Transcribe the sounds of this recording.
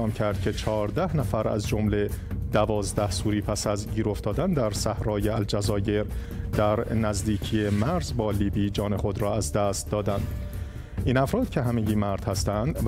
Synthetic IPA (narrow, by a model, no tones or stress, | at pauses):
ɒːmcʰæɾd̪̥̚cʰe̞t͡ʃʰɒːɾd̪æhnæfæɾæ̰zd͡ʒo̞mle̞d̪̥ævɒːzd̪æhsuːɾiːpʰæsæzɟiːɾo̞ft̪ʰɒːd̪ænd̪æɾsæhɾɒːjeæld͡ʒæzɒːje̞ɾ | d̪̥æɾnæzd̪iːcʰijemæɾzbɒːliːbiːd͡ʒɒːne̞xo̞d̪ɾɒːæzd̪æst̪̚d̪ɒːd̪ænd̪̥ | ʔiːnæfɾɒːd̪̥cʰe̞ɦæmeɟiːmæɾd̪̥hæst̪ænd̪